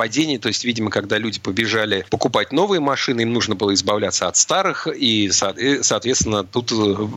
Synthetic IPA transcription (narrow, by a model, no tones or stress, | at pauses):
pɐdʲenʲɪjət̪o̞ɪsʲtʲvʲidʲɪməkɐɡd̪alʲudʲɪpəbʲɪʐalʲɪpəkʊpatʲno̞vɨjəmɐʂɨnɨimnuʐnəbɨlˠəɪzbɐvlʲæt̪səɐt̪st̪aɾɨxisat̪saːt̪vʲet̪st̪vʲɪnːət̪ut̪